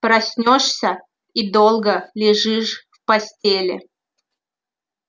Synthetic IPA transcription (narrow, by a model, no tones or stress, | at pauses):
pɾɐsʲnʲoʂsʲə | id̪olˠɡəlʲɪʐɨʂfpɐsʲtʲelʲɪ̰